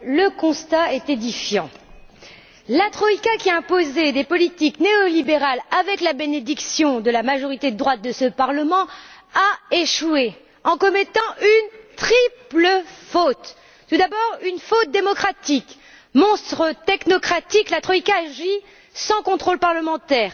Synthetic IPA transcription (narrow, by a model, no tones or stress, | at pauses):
ləkɔ̃st̪aɛt̪ed̪ifjɑ̃ | lat̪χɔikakʲiɛ̃pozed̪epɔlit̪ikneɔlibeʁalavɛklabened̪iksjɔ̃d̪əlamaʒɔʁit̪ed̪ʁwat̪̚d̪əsəpaʁləmɑ̃ | aeʃwe | ɑ̃kɔmɛt̪ɑ̃ynt̪χipləfot̪ː | ud̪abɔʁynfot̪̚d̪emɔkχat̪ik | mɔ̃st̪χət̪ɛknɔkχat̪iklat̪χɔikaːʒi | sɑ̃kɔ̃t̪χolpaʁləmɑ̃t̪ɛːʁ